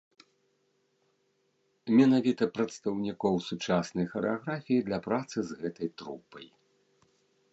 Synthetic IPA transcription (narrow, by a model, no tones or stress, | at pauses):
mʲɛnavʲit̪ɐpɾɐt̪st̪ɐwnʲikɔwsut͡ʂasnɐjxɐɾɛaɣɾafʲijid̪lʲɐpɾat̪sɨzɣɛt̪ɐjt̪ɾupɐj